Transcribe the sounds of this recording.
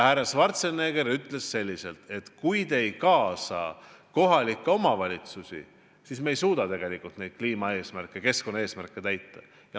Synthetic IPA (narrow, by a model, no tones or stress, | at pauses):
hærːɑsvɑrt̪seneːɡ̥e̞ɾyt̪ˑle̞sse̞lʲːise̞lt̪e̞t̪kujd̪e̞jkɑːsɑ̰ | ko̞ɦɑlikːeo̞mɑvɑlʲit̪susḭ | siːsmejsuːd̪̥ɑt̪e̞ɡ̥e̞likˑult̪ne̞jd̪̚kliːmɑe̞ːsmærkːˑeke̞sko̞nːɑe̞ːsmærkːˑe̞t̪æjt̪ːɑ | jɑ